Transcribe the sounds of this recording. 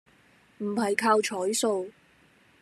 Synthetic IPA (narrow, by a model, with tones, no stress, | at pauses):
m̩˨˩hɐ˨jkʰaː˧wt͡ʃʰɔː˨˥jso˨˧w